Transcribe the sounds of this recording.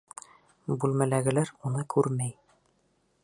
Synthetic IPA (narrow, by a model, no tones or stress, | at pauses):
bʉlmælæɡɘ̆læɾunɤkʰʉɾmæj